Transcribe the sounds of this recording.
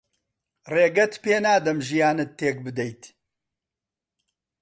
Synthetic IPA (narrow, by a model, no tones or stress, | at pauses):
reːɡɐt̪peːnaːd̪ɐmʒijaːnɨt̪ʰːeːk̚bɨd̪ɐjt̪